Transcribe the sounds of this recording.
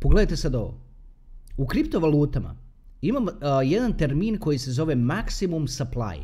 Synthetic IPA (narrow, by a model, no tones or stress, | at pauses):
poɡle̞d̪ajt̪e̞sad̪o̞ʋo̰ | ukɾipt̪o̞ʋaluːt̪ama̰ | imamjed̪ant̪e̞ɾmiːnko̞jise̞zo̞ʋe̞maksimumsaplˠa̰ːjḛ